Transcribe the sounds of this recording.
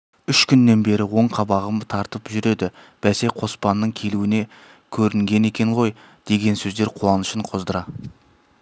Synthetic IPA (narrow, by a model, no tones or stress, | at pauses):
ʏʃkʲʰʏnːe̞nbe̞ɾɪwo̞ɴqʰɑbɑʁəmt̪ʰɑɾt̪əpʒʏɾe̞d̪ɪ | b̥æse̞qʰo̞spɑnːəɴkʲʰe̞luɪne | kʲʰɵɾɪŋɡʲe̞ne̞kʲe̞ɴʁo̞j | d̪̥e̞ɡʲe̞nsɵzd̪e̞ɾqʰuɑnəʃəɴqʰo̞zd̪əɾɑ